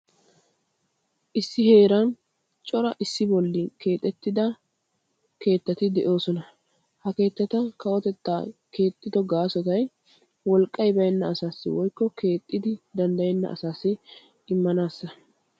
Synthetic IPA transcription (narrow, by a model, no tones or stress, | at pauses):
ʔɪsːɪhe̞ːɾɐn | t͡ʃʼɔɾɐʔɪsːɪbɔlːɪke̞ːt̪ʼːɛt̪ːɪd̪ɐ | ke̞ːt̪ːɐt̪ɪd̪ɛʔo̞ːsɔnɐ | hɐke̞ːt̪ːɐt̪ɐkɐwɔt̪ɛt̪ːa̰ːke̞ːt̪ʼːɪd̪ɔɡaːsɔt̪ɐj | wɔlkʼːɐjbɐjɛnːɐːsaːsːɪ̰wɔjkːɔke̞ːt̪ʼːɪd̪ɪd̪ɐnd̪ɐjɛnːɐ̰ʔɐ̰saːsːɪ | ɪmːɐnaːsːɐ